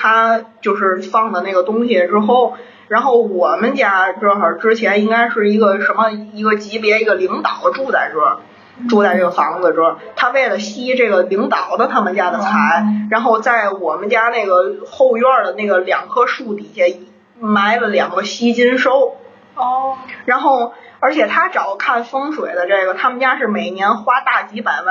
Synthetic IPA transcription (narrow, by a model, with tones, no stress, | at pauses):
t̪ʰa˥t͡ɕjo˥˧ʊʂɻ̩˥˧fɑ˥˩ŋd̪ə˩na˥˩ɡə˩t̪ʊ˥ŋɕi˨˩˨ʈ͡ʂɻ̩˥xo˥˩ʊ | ɻa˧˥nxo˥˩ʊwɔ˨˩mə˦nt͡ɕja˥ʈ͡ʂə˥˧ə˨˩ʈ͡ʂɻ̩˥t͡ɕʰjɛ˧˥ni˥ŋka˥ɪʂɻ̩˥˩i˧˥ɡə˧ʂə˧˥mə˧i˧˥ɡə˧t͡ɕi˧˥pjɛ˧˥i˧˥ɡə˧li˧˥ŋt̪ɑ˨˩ʊd̪ə˦ʈ͡ʂu˥˧t͡sa˥˩ɪʈ͡ʂɤ˥˩ə˨˩ | ʈ͡ʂu˥˧t͡sa˥˧ɪʈ͡ʂɤ˥˩ɡə˩fɑ˧˥ŋd͡z̩˨˧ʈ͡ʂ̩˥˩ə˨˩t̪ʰa˥ʋe˥˩ɪlə˩ɕi˥ʈ͡ʂɤ˥˩ɡə˩li˧˥ŋt̪ɑ˨˩ʊd̪ə˦t̪ʰa˥mə˨nt͡ɕja˥d̪ə˨t͡sʰa˧˥ɪɻa˧˥nxo˥˧ʊt͡sa˥˩ɪwɔ˨˩mə˦nt͡ɕja˥na˥˩ɪɡə˩xo˥˧ʊɥə˥˩d̪ə˩na˥˩ɡə˩ljɑ˨˩ŋkʰɤ˥ʂu˥˩t̪i˨˩ɕjɛ˥˩i˨˩ | ma˥ɪlə˨ljɑ˨˩ŋɡə˦ɕi˥t͡ɕi˥nʂo˥ʊ | ɔ˥˩ɻa˧˥nxo˥˩ʊə˞˧˥t͡ɕʰjɛ˨˩t̪ʰa˥ʈ͡ʂɑ˨˩ʊkʰa˥˩nfɤ˥ŋʂwe˨˩ɪd̪ə˦ʈ͡ʂe˥˩ɡə˩t̪ʰa˥mə˨nt͡ɕja˥ʂɻ̩˥˩me˨˩ɪnjɛ˧˥nxwa˥t̪a˥˩t͡ɕi˧˥pa˨˩nə˥